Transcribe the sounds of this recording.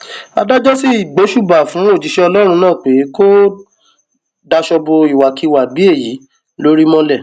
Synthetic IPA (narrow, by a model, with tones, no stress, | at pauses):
a̰˧da˦d͡ʒɔ˦si˦i˨ɡ͡be˨˦ʃu˦˨ba˨fũ˨˦o˦˨d͡ʒi˨ʃɛ˦ɔ˧lɔ˦ɾ̃ũ˧nãː˦˨k͡pe˨˦ko˦ | da˧ʃɔ˧bo˧i˨wa˨ki˧˦˨wa˨bi˨˦e˦˨ji˨˦ | lo˦ɾi˦mɔ̃˦lɛ˦˨